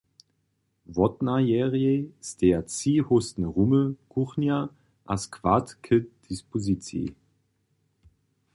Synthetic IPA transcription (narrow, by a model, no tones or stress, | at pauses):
vɔtnajɛːʁiesd̥eːɐt͡siːhʊstn̩ʁʊməkʰuχnja | ʔa̰skʰv̥atkʰəd̥ispozit͡sjḛ